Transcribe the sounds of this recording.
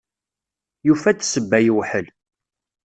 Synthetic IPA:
jufæt͡sːsəbːæjəwħəl

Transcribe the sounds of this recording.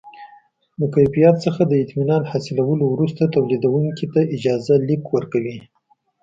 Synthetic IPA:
ləkajfijɑt̪səxad̪əɪt̪minɑnhɑsɪlawəlowɾust̪at̪awlid̪awuŋkit̪aɪd͡ʒɑzalikwəɾkawi

